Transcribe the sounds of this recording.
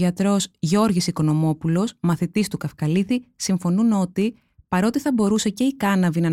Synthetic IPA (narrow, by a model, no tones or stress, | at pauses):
ʝɐt̪ɾo̞sʝo̞ɾʝisiko̞no̞mo̞pulo̞smɐθit̪ist̪ukɐfkɐliθisiɱfo̞nuno̞t̪i | pɐɾo̞t̪iθɐbo̞ɾuse̞ce̞ikɐnɐvinɐ